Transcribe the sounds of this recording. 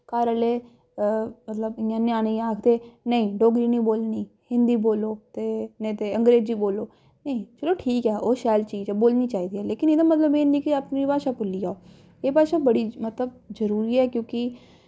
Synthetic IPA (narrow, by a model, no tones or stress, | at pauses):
kaːɾəleː | mət̪ləbɪãːnɪaːneːaːkʰd̪eːnəĩːɖoːɡɾiːnĩːboːlniː | hɪ̃nd̪iːboːloːt̪eːnəĩːt̪eːə̃ŋɡɾeːd͡ʒiːboːloː | nəĩt͡ʃəloːʈʰiːkɛːʔoːʃɛːlt͡ʃiːd͡ʒɛːboːlniːt͡ʃaːiːd̪iːɦɛːleːkɪneːd̪aːmət̪ləbeːnĩːkɪaːpnipaːʃaːpʊlːijaːoː | eːpaːʃaːbəɽiːmət̪ləb̚zəɾuːɾiːɛːkjõːkɪ